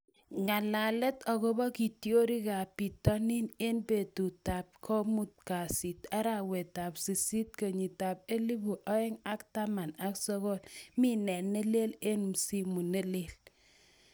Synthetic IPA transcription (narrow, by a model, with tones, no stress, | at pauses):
ŋa˨la˨lɛ˦tɔ˨ɣo˦bɔ˦ki˨tjo˦ɾi˦ka˨pi˨tɔ˦ni˦ne˦nbe˨tu˨ta˨p̚kʰɔ˦mu˦t̚ka˨si˨ta˦ɾa˨we˨ta˨psi˨si˦t̚kə˨ɲi˨ta˨p̚e˦li˦bu˨ʔɔ˦ɛ˦ŋa˦kta˦ma˨na˨ksɔ˦ɣɔ˦lmi˦nɛ˨ne˦le˦le˦nm˨si˦mu˨ne˦le˨l